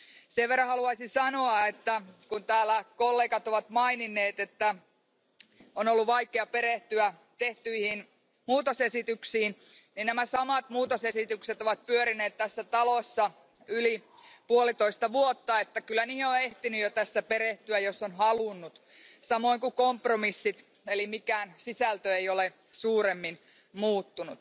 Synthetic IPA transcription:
seʋʋerːɑ̃hɑluɑisinsɑnoɑet̪ːækunt̪æːlːˑækolːeːkɑt̪oʋɑt̪mɑininːˑeːt̪et̪ːæ | onolːuʋɑikeɑpeɾeht̪yæ | t̪eht̪yihin | muːt̪osesit̪yksiːn | ninnæmæsɑmɑt̪muːt̪osesit̪ykset̪oʋɑt̪̚pyøɾineːt̪t̪ːæsːæt̪ɑlosːɑ | ylipuolit̪oist̪ɑʋuot̪ːɑet̪ːækylːæniːheoeht̪inyjot̪æsːæpeɾeht̪yæjosːonhɑlunːut̪ | sɑmoiŋkukompromisːit̪ | elimikæːnsisælt̪øeiole | suːɾemːin | muːt̪ːunut̪

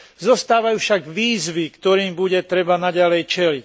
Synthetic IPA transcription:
zɔst̪aːʋajufʃaɡʋiːzʋikt̪ɔɾiːmbuɟɛt̪ɾɛbanaɟalɛjt͡ʃɛlic

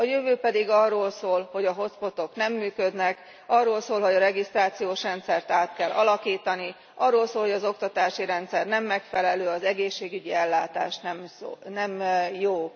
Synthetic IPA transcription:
ɒjøvøːpɛd̪iɡɒrːoːlsoːlho̞ɟɒɦo̞t̪spo̞t̪ːo̞knɛmːyːkød̪nɛk | ɒrːoːlsoːlɦo̞ɟɒɾɛɡist̪raːt̪sijoːʃrɛnt̪sɛrt̪aːt̪kɛlʔɒlɒkiːt̪ɒni | ʔɒrːoːlsoːlho̞ɟɒzo̞kt̪ɒt̪aːʃiɾɛnt̪sɛrnɛmːɛkfɛlɛløːɒzɛɡeːʃːeːɡyɟiɛlːaːt̪a̰ːʃnɛmonɛmjoː

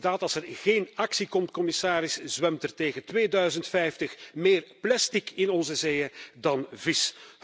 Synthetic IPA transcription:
daːtɑlˠsɛrɣeːnɑksikɔmt̚kɔmɪsaːɾɪszʋɛmtərteːɣəntʋeːdœɥzəntfɛjftəxmeːrplɛstikɪnɔnzəzeːədɑnvɪs

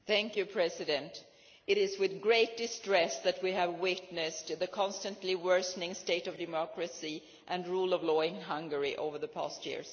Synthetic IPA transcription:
θæ̃ŋkjʉpʰɹ̥ɛsɨdɨ̃nt | ɨɾɪzwɨðɡɹeɪt̚d̥ɨstɹ̥ɛsðɨt̚wiævwɪtnɨstðɨkʰɑ̃nstə̃ntliwɜ˞snɪ̃ŋsteɪɾʌvdɨmɑkɹɨsi | ʔɨ̃nɹuːlˠʌvlɔːɪ̃nɦʌ̃ŋɡə˞iʔo̰ʊvə˞ðəpʰæ̰stjɪ̰ɹs

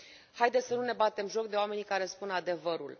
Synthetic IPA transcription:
hajd̪esənune̞bat̪e̞mʒo̞k̚d̪e̞wame̞nikaɾe̞spunad̪e̞vəɾṵl

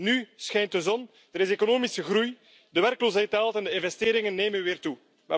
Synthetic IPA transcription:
nysxɛjntəzɔn | d̥əɾɪsekonoːmisəɣɾuj | dəʋɛɾkloːsɦɛjtaːlˠtɛndəɪnvɛsteːɾɪŋənːeːmənʋɪːrtu | ma̰

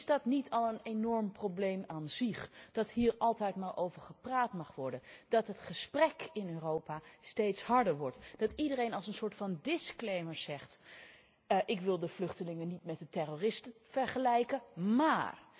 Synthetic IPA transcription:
zdɑtnitɑlˠənenɔɹmproblejmaːnzɪχd̥ɑtɦiːɹɑlˠtɛjtmaːɹʔowvəɹχəpraːtmɑχʋɔɹdənd̥ɑtɦətχəsprɛkɪnøːrowpaːstejtshɑɹdəɹʋɔɹtd̥ɑtidərejnɑlˠsənsʊːɹtfɑndɪsklejməɹz̥ɛχt | ʔɪkʋɪlˠdəv̥lɵχtəlɪŋənitmɛt̚dətɛroːrɪstəv̥ɛɹχəlɛjkəma̰ːr

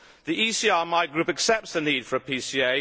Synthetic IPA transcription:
ðiʔisiːɑːɹmaɪɡɹʉˑpəksɛp̚tsðəniːd̥fəɹəpʰisieɪ

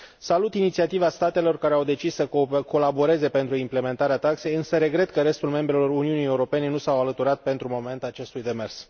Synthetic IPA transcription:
salut̪init̪siat̪ivast̪at̪e̞lo̞rkaɾeawd̪e̞t͡ʃisːəko̞labo̞ɾe̞ze̞pe̞nt̪ɾuimple̞me̞nt̪aɾeat̪akse̞jɨnsəɾe̞ɡɾe̞t̪kəɾe̞st̪ulme̞mbɾe̞lo̞runiunijeuɾo̞pe̞ne̞nusawalət̪uɾat̪̚pe̞nt̪ɾumo̞me̞nt̪at͡ʃe̞st̪ujd̪e̞me̞rs

